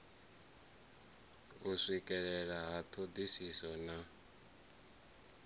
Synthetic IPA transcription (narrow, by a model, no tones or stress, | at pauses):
usikʼɛɺɛɺaɦat̪ʰod̪isisɔna